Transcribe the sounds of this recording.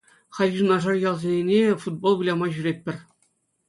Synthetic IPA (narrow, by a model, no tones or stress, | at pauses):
χɑlʲʑunɑʐɑrjɑlˠzʲenʲenʲefud̪̚bolˠɡulʲɑmɑʑyɾʲep̚ʲpʲːɘ̆rʲ